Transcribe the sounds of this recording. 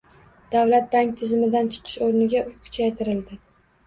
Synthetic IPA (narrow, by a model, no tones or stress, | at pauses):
d̪̥awlat̪̚baŋk̚ʲt̪ʰɪzɪmɪd̪ant͡ʃʰɪ̥qʰɪ̥ʃoɾnɪɡʲaʔʊkʰʊ̥t͡ʃʰajt̪ʰɪɾɪld̪ɪ